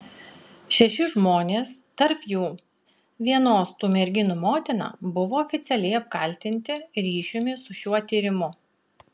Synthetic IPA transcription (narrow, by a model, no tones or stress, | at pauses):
ʃʲɛʃʲɪʒmoːnʲeːst̪ɐɾpjuː | ʋʲiɛnoːst̪uːmʲɛɾʲɡʲɪnumoːt̪ʲɪnɑ̰ːbʊʋoːɔːfʲɪt̪sʲɛlʲɛɪɐp̚kɐlʲt̪ʲɪnʲt̪ʲɪɾʲiːʃʲʊmʲɪsʊʃʲuɔt̪ʲiːɾʲɪmʊ